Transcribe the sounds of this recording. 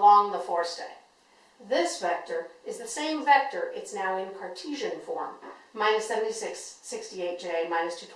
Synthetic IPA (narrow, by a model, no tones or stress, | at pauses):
lɔ̃ŋðəfɔɹsd̥ḛɪ | ðɪsvɛk̚tə˞ɨzðɨsẽɪ̃ɱvɛk̚tə˞ʔɨtsnaʊɨ̃nkʰɑɹtʰiʒɨ̃nfɔ̰ɹmːãɪ̃nɨsɛṽn̩tisɪksːɪkstieɪt̚d̥ʒ̥eɪmãɪ̃nɨstʰʉtʰ